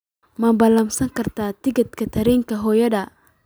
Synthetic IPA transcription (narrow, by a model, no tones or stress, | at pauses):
mɐbɐlɐmsɐŋkɐrt̪ʰaːt̪ɪɡɐt̪kʰɐt̪ʰɐɾɛŋkɐɦɔːjɐdɐ